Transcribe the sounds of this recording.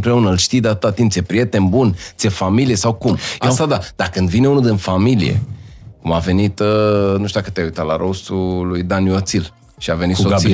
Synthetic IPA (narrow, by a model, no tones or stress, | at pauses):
mpɾe̞unəlʃt̪ijd̪eat̪ɨt̪at̪imt̪sʲjepɾije̞t̪e̞nbunsiefamilijesawkumast̪ad̪ad̪̥akɨnd̪vine̞unud̪ɨnfamilḭjḛkumave̞nit̪nuʃt̪uakət̪eaujt̪at̪laɾost̪ulujd̪anjuat̪sil | ʃiave̞nit̪so